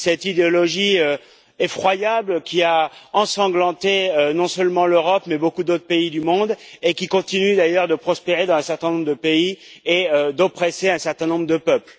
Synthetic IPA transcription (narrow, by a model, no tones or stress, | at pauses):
sɛt̪id̪eɔlɔʒiø | efχwajablkʲiaɑ̃sɑ̃ɡlɑ̃t̪eønɔ̃sœlmɑ̃løʁɔpmɛbokud̪ot̪χpeid̪ymɔ̃d̪ekʲikɔ̃t̪inyd̪ajœʁd̪əpχɔspeʁed̪ɑ̃zɛ̃sɛʁt̪ɛ̃nɔ̃mbʁd̪əpeieød̪ɔpχɛseɛ̃sɛʁt̪ɛ̃nɔ̃bʁəd̪əpœpl